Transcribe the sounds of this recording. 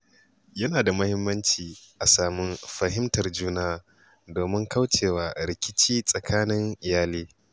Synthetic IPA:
jɐ˦naː˨da˨mɐ˦hɪ˦mːɐ˦nt͡ʃiː˨ʔa˨saː˨mʊ˦nɸɐ˦ɦɪ˦mtɐ˨rd͡ʒuː˦naː˦ | doː˨mɪ˦ŋka˦wt͡ʃeː˨waː˨ɾɪ˨kʲɪ˦t͡ʃiː˦sʼɐ˨kʰaː˦nɪ˦ŋʔɪ˨jaː˦liː˦

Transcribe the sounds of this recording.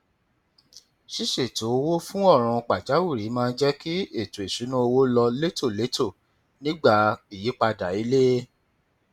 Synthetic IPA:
ʃi˦˨ʃe˨to˨˦o˧wo˦fũ˦ɔ˦˨ɾ̃ũ˧k͡pa˨d͡ʒa˨˦wu˦˨ɾi˨˦mãː˦˧˦d͡ʒɛ˦ki˦e˦˨to˨e˨ʃu˨˦nũ˦o˧wo˦lɔ˧le˦to˦˨le˨˦tʰo˦˨ | nĩ˦ɡ͡ba˦˨i˨ji˨˦k͡pa˧da˨i˨˦le˦

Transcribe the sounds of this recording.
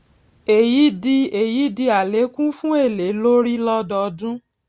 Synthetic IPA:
e˨ji˨˦di˧e˨ji˨˦di˧a˨le˨˦kũ˦fũ˦e˦˨le˨˦lo˦ɾi˦lɔ˦dɔ˧dũ˦

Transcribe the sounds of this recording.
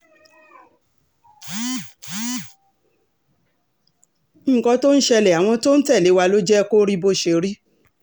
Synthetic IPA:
ŋ̩˦˨kɔ̃˧to˦n̩˦ʃɛ˧lɛ˨a˨w̃ɔ̃˧to˦n̩˦tɛ˦˨le˨˦wa˧lo˦d͡ʒɛ˦˧ko˦ɾi˦bo˧ʃe˧˨ɾi˦

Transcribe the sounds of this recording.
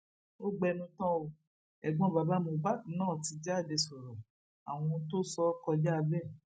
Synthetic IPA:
o˦ɡ͡bɛ˧nũ˧tã˦o˧ | ɛ˨ɡ͡bɔ̃˧˦ba˨˧ba˦mo˧ba˦˨˦nãː˦˨ti˧˦d͡ʒɛ˦a˦˨de˧˨sɔ˨ɾɔ̃˨ | a˨w̃ɔ̃˧to˦sɔ˧˦kɔ˧d͡ʒa˦a˧bɛ˦˨

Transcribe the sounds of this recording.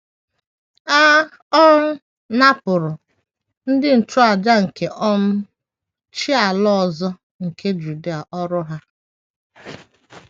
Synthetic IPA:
a˦ | ɔ˦ɾ | na˦pʊ˨ɾʊ˨ | n̩˦dɪ˦n̩˨tʊ˦a˨d͡ʒa˦ŋ̩˨ke˨ʔɔ˦m̩˦ | t͡ʃi˦a˨lɔ˦ɔ˨zɔ˦ | ŋ̩˨kʰe˦d͡ʒu˨di˦a˨ʔɔ˦ɾʊ˦ɦa˦

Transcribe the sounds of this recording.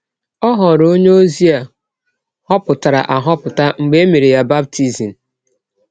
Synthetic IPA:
ɔ˦ɦɔ˨ɾo˦ɲe˦o˦zi˦a˨ | hɔ˦pʊ˨ta˨ɾa̰˨ʔa˨ɦɔ˦pʊ˨ta˦ŋ͡m̩˨ɡ͡be˦e˦mi˨ɾi˨ja˦ba˦b̚tʰi˦zi˨n̩˨

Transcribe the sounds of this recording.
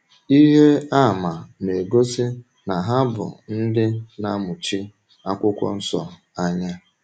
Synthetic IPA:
i˦ɦe˦a˦˨ma˨ne˨ɡo˦sɪ˦ | na˨ɦa˦bʊ̰˨n̩˦dɪ˦na˦mʊ˨t͡ʃi˦ | a˦kʷʊ˦kʷɔ̰˦n̩˦sɔ̰˨ | a˦ɲa˦

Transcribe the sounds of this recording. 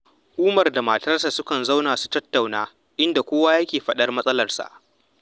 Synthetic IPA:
ʊ˨kʷuː˦mɐ˨rda˨ma˨tɐ˦rsa˨sʊ˦kɐ˨nza˦wnaː˨su̥˦˨tɐ˦tːa˨wnaː˦ | ʔɪ˦nda˨kʷoː˦wa˦jɐ˦kʲeː˨ɸɐ˦ɗɐ˦rmɐ˦sʼɐ˦lɐ˨rsa̰˨ʔ

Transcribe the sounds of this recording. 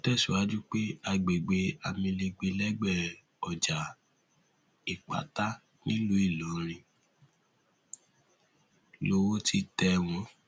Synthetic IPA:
o˦tɛ˦˨su˨a˨˦d͡ʒu˦k͡pe˦a˧ɡ͡be˨ɡ͡be˧˦a˨mĩ˧le˧ɡ͡be˧lɛ˦ɡ͡bɛ˦˨ | ɔ˨d͡ʒa˨ | i˨k͡pa̰˨ta˦ | nĩ˦lu˦i˦˨lo˨˦ɾ̃ĩ˨ | lo˧wo˦ti˧tɛ˧w̃ɔ̃˧˦

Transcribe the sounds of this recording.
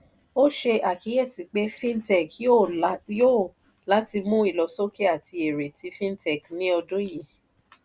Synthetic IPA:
o˦ʃe˧ʔa˨ki˨˦jɛ˦˨si˨k͡pe˨˦fĩ˦ntɛ˨ko˦˨˦jo˦˨ | la˨˦ti˧mũ˦i˦˨lɔ˨so˦ki˦a˦˨ti˧e˨ɾe˨ti˧fĩ˦n˦tɛ˨knĩ˨˦ɔ˧dõ˦ji˨

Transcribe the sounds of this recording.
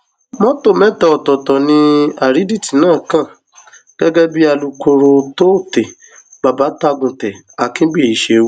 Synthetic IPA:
mɔ̃˦to˦˨mɛ̃˦tɛ˧˨ɔ˨tɔ˨tɔ˨nĩ˧a˨ɾi˨˦di˦˨ti˨˦nãː˦˨kã˦˨ | ɡ̥ɛ˦ɡɛ˦bi˦a˧lu˧ko˧ɾo˧to˦˨te˨ | ɡ͡ba˨ba˨˦ta˦ɡũ˨tɛ˨ | a˨kĩ˨˦ɡ͡bi˦˨i˨ʃe˨˧w

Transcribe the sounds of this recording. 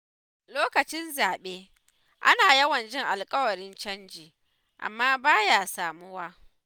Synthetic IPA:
loː˦kɐ˨t͡ʃɪ˦nzaː˨ɓeː˦ | ʔa̰˦naː˨jɐ˦wɐ˨nd͡ʒʼɪ˦ŋʔa˨lkʼɐ˦wɐ˨ɽɪ˦nt͡ʃɐ˦nd͡ʒiː˨ | ʔa̰˨mːaː˦baː˦jaː˨saː˨mʊ˦waː˦

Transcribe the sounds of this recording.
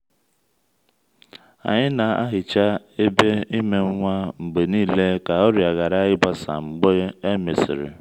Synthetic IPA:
a̰˨ɲɪ˦na˨a̰˦ɦɪ˨t͡ʃa˦ | e˦be˦i˦me˨ŋ̩˦ŋʷa˦m̩˨ɡ͡be˨niː˦le˦ka˨ɔ˦ɾja˨ɣa˨ɾa˦ɣɪ˦ba˦sa̰˨m̩˨ɡ͡bɔ˦e˦me˨sɪ̰˨ɾɪ̰˨

